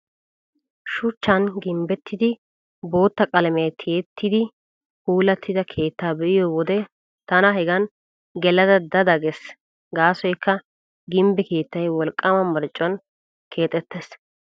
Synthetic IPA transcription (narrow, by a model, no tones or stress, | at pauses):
ʃʊt͡ʃːɐnɡɪmbɛt̪ʰːɪd̪ɪ | bo̞ːt̪ːɐkʼɐlmɐjt̪ʰɪɛt̪ʰːɪd̪ɪ | huːlɐt̪ːɪd̪ɐkʰe̞ːt̪ːaːbɛʔɪjowɔd̪ɛ | t̪ɐnɐɦɛɡɐn | ɡɛlɐd̪ɐd̪ɐd̪ɐɡɛs | ɡaːsɔjkʰːɐ | ɡɪmbɛke̞ːt̪ːɐjwɔlkʼːɐmɐmɐɾt͡ʃʼːʊɐn | kʰe̞ːt̪ʼːɛt̪ːes